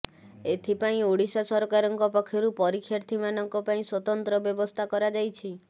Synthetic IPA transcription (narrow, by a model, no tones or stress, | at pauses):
et̪ʰipaĩoɽisasɔɾɔkaɾɔŋkɔpakʰːjɔɾupɔɾikʰːjaɾt̪ʰimanɔŋkɔpaĩswɔt̪ɔnt̪ɾɔbjɔbɔst̪ʰakɔɾad͡ʒajt͡ʃʰi